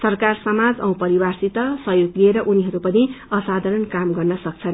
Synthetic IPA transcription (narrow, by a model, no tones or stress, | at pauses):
sʌrkarsʌmad͡zʌ̰̃w̃pʌɾiwarsit̪ʌsʌjoɡlieɾʌʔuniɦʌɾupʌniʌsad̪ʱaɾʌnkamɡʌrnʌsʌk̚t͡sʰʌn